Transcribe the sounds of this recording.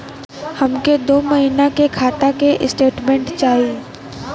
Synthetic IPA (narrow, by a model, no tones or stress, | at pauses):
hɐmked̪oːmɐɦinakekʰaːt̪akeʔɪsʈeːʈmẽɳʈt͡ʃaːɦi